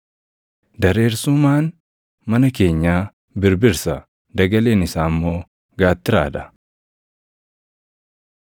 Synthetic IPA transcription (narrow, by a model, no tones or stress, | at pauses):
d̪ɐɾe̞ːɾsʊmaːn | mɐnɐke̞ːɲːaː | bɪɾbɪɾsɐ | d̪ɐɡɐle̞ːnɪsaːmːo̞ː | ɡaːt̪ːɪɾa̰ːd̪ɐ̥